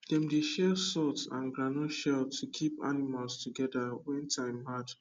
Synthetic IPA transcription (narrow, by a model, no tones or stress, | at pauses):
dɛ̃mdeʃɛlsɔtsã̰nɡɹanõʃɛltʰukʰipa̰nimalstuɡɛdawɛ̃ntʰãɪ̃mhad